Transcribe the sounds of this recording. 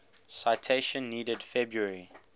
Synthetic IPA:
saɪtʰeɪʃə̃nːiːdədfɛbɹuəɹi

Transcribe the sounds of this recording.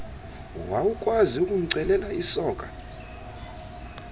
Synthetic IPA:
wawukʼwaziukʼum̩ǀɛlɛlaisɔːkʼa

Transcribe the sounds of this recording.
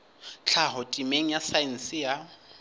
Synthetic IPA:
t͡ɬʰaɦɔtʼimeŋ̩jasain̩sɪja

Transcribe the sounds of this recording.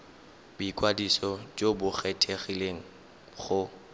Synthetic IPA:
bikʼwadisɔd͡ʒobʊχɛtʰeχileŋ̩ | χʊ

